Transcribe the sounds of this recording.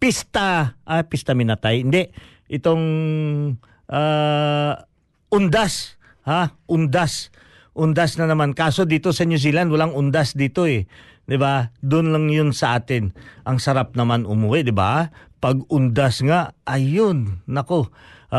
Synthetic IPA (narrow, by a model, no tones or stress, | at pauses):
pist̪aʔapɪst̪ɐmɪnɐt̪ajɪnd̪ɛʔ | ʔɪt̪oŋ | ʔa | ʔʊnd̪as | haʔʊnd̪as | ʔʊnd̪asnɐnɐmankaːso̞d̪iːt̪o̞sɐnjus̬iːlanwɐlaŋʔʊnd̪asd̪iːt̪o̞ɛ | d̪ɪbad̪ʊnlaŋjʊnsɐʔaːt̪ɪnʔɐŋsɐɾap̚nɐmanʊmuwɪʔd̪ɪba̰pɐɡʊnd̪asŋaʔɐjʊnːɐko̞